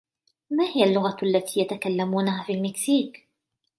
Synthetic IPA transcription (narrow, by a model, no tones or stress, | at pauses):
maːhɪjalːʊɣaʔalːat̪iːjat̪akalːamuːnaɦaːfiːlmɪksiːk